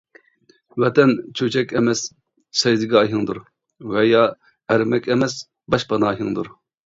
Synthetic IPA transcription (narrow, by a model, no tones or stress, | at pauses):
wɛt̪ɛnt͡ʃʰøt͡ʃʰɛkʲɛmɛs | sɛjd̪ɨɡʲɑːɦɨŋd̪uɾ | wɛjɑ | æɾmɛkʲɛmɛs | bɑʃbɑnɑːɦɨŋd̪uɾ